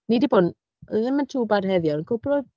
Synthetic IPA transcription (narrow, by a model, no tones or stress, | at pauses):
nidibon | ðɪməntʰuːbarhɛðjɔnnkʰʊbrɔ